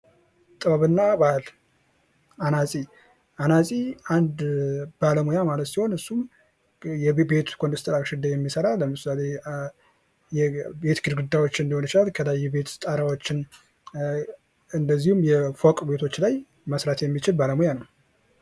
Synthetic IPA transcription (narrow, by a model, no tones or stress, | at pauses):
t̪ʼɨβaβɨnːabal | ʔanasʼi | ʔanasʼiand̪b̥aləmojamalət̪siho̞nɨsːum | jɛbe̞t̪kʰond̪ɨst̪ʼəɾakʃɪd̪ajɛmːisəɾaləmɨsale̞ | jɛbe̞t̪ɡɨɾɡɨd̪ːawo̞t͡ʃːɨnd̪iho̞nt͡ʃɪalkʰəlajːɛbe̞t̪t̪ʼəɾawot͡ʃːɪn | ɨnd̪əzːihumjɛfokʼbe̞t̪ʰo̞t͡ʃːlaj | məsɾat̪jɛmːit͡ʃɪlbaləmujanəw